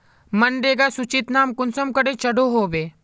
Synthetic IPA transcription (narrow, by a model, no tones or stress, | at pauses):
mɐnɖeːɡasut͡ʃit̪naːmkʊnsəmkəɽet͡ʃɐɽoɦoːbeː